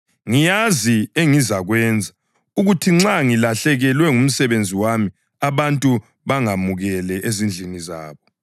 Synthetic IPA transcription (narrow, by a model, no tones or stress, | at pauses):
ŋijazieŋizaɣwɛːnd͡zʱa | uɣutʰiŋ͡ǁaŋilaɬɛɣɛlwɛŋum̩sɛβend͡zʱiwami | aβantʼu | βaŋamuɣɛlɛʔezind͡ɮʱiniza̰ːβɔ